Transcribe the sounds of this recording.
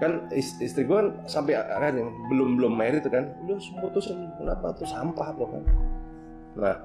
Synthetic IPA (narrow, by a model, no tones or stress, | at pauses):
kanisist̪ɾiɡuan | sampɛa̰ʔakadibəlʊmbəlʊmːeɾɪt̪ːukanlosəmput̪usankənapa̰t̪ɾʊsampaht̪ʊhka̰n | nah